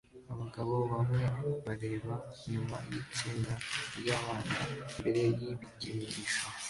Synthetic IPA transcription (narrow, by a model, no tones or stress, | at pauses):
aβaɡaβo̞βamŋe̞βaɾe̞ːβaɲuma̰jit͡siːnɡaɾjaːβaːna̰mbe̞ɾe̞jiβiɟiniɟiʃo